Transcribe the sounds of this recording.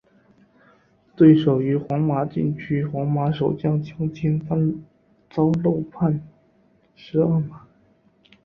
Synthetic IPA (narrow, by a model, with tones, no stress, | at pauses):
t̪we˥˩ɪʂo˨˩ʊy˧˥xwɑ˧˥ŋma˧˥t͡ɕi˥˩nt͡ɕʰy˥xwɑ˧˥ŋma˧˥ʂo˨˩ʊt͡ɕjɑ˥˩ŋt͡ɕʰjɑ˥ŋt͡ɕʰi˥n˥ | t͡sɑ˥ʊlo˥˧ʊpʰa˥˧n | ʂɻ̩˧˥ə˞˥˩ma˨˩˦